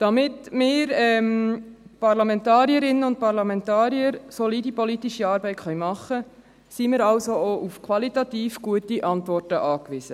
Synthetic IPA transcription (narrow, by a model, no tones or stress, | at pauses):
d̥ɑmɪtmɪːɾɛm | pɑrlɑmɛntɑːɾjəɾɪnːəʊnt̚pɑɾlɑmɛntɑːɾjəɾsɔlidipɔlitiʃiɑːɾbɛɪtχœɥmɑχːə | simɪːɾɑlsooʔufkʰwɑlitɑtiːfɡ̥uətiʔɑntʋɔrtəʔɑːkʋisə